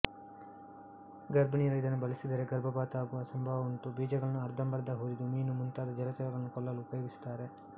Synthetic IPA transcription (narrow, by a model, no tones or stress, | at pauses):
ɡɐɾbʱɐniːɐɾɐid̪ɐnːubɐlisid̪ɐɾe̞ɡɐɾbʱɐbaːt̪aːɡuʋɐsɐmbʱaːʋɐunʈ̪ubiːd͡ʒɐɡɐɭɐnːuɐɾd̪ʱɐmbɐɾd̪ɐɦuːɾid̪umiːnumunt̪aːd̪ɐd͡ʒɐlɐt͡ʃɐlɐɡɐɭɐnːukɔlːɐlːuːpɐjoːɡisu̥t̪ːaːɾe̞